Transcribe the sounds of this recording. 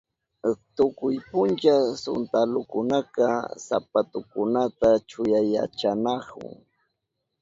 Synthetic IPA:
t̪ʊkʊjpʊnt͡ʃasʊ̰nt̪alʊkʊnakɑsa̰pat̪ʊkʊnat̪at͡ʃʊjaja̰t͡ʃanɑkʊ̰ŋ

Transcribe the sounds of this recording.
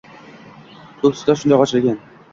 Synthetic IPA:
kʰɵpsɪ̥d̪aʃʊnd̪ajqʰɒt͡ʃʰɪlɡʲan

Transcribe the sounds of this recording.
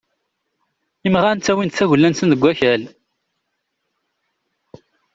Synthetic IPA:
imʁænt̪ːæwint̪θæʝlːænsənðəɡʷːæçæl

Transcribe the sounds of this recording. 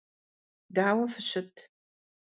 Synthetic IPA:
daːwɐfɨɕɪtʰ

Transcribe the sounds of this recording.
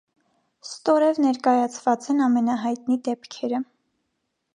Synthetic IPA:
st̪ɔɾɛvnɛɾkɑjɑt͡sʰvɑt͡sɛnɑmɛnɑɦɑjt̪nid̪ɛpkʰɛɾə

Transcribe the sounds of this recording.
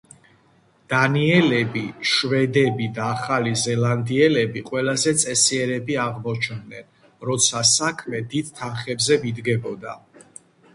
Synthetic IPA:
d̪̥aniɛlɛbiʃvɛd̪ɛbid̪aːχalizɛland̪iɛlɛbiqʼwɛlazɛt̪sʼɛsiɛɾɛbiaʁmɔt͡ʃʰnnɛn | ɾɔt̪sʰasakʰmɛd̪id̪̚t̪ʰanχɛbzɛvid̪ɡɛbɔd̪a̰

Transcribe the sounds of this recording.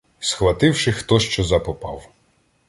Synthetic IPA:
sxʋɐt̪ɪwʃɪxt̪ɔʃt͡ʃɔzɐpɔpɑ̰w

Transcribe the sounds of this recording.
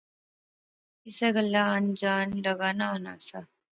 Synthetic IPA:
ɪseɡəlːaənd͡ʒaːnləɡaːnaɦona̰ːsa

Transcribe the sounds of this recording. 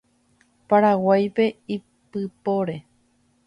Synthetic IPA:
paɾawajpe̞i | pɨpoɾe̞

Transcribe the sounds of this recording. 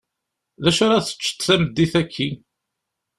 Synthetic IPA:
ðæʃʊɾˤɑθə̥t͡ʃːə̥t̪θæməd̪ːiθækʰːi

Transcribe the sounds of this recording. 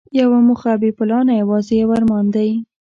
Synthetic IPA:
jawamuxabepʊlɑnajawɑzejawaɾmɑnd̪aji

